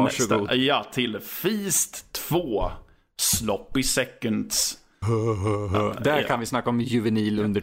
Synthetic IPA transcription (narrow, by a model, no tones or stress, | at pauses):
ɡjat̪ʰɪlfiːst̪ʰːv̥oː | slɔpːɪsɛkːənd̪s | ɦɦɦd̪æɾkʰanvɪsnakːaɔmjʉvɛniːlɵnd̪ə